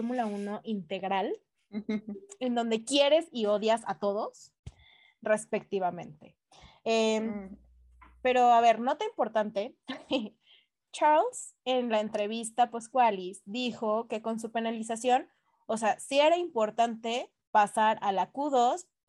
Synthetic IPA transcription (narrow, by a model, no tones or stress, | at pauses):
ɾmulauno̞ʔint̪e̞ɣɾal | end̪o̞nd̪e̞kje̞ɾe̞sio̞ðjasat̪o̞ðo̞s | re̞spe̞k̚t̪iβamẽ̞nt̪e̞ | em | pe̞ɾo̞aβe̞ɾno̞t̪eimpo̞ɾt̪ant̪e̞ | t͡ʃaɾls | e̞nlaent̪ɾe̞β̞ist̪aposkwalisd̪ixo̞ke̞ko̞ns̬upe̞nalis̬asjo̞n | oseasie̞ɾaimpo̞ɾt̪ant̪e̞ | pasaɾalakuðo̞s